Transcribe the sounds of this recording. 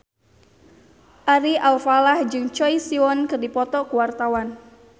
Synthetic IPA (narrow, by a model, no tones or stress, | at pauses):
ʔaɾialfalahd͡ʒɨŋt͡ʃɔjsiɔnkɨrdipɔt̪ɔkuwart̪awan